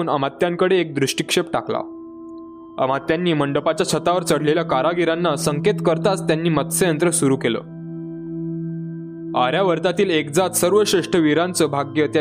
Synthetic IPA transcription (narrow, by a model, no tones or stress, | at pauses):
namat̪ːjãŋkəɽeːk̚d̪ɾuʂʈikʂepʈakla̰ | a̰mat̪ːjanːiːməɳɖəpat͡ɕjat͡ɕʰət̪aʋəɾt͡səɽ̤leljakaɾaɡiɾanːasəŋket̪kəɾt̪at͡st̪janːiːmət̪səjənt̪ɾəsuɾukelə̰ː | aɾjaʋəɾt̪at̪iːlekd͡zat̪səɾʋəɕɾeʂʈəʋiɾant͡səbʱaɡjət̪ja